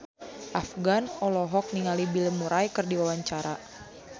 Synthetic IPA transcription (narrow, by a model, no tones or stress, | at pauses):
ʔafɡanɔlɔɦɔk̚niŋalibiləmuɾajkɨrdiwawaɲt͡ʃaɾa